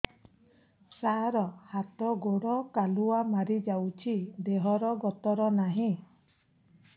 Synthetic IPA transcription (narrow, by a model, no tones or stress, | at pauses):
saɾɔhat̪ɔɡoɽɔkaluamaɾid͡ʒawt͡ʃʰid̪eɦɔɾɔɡɔt̪ɔɾɔnaɦĩ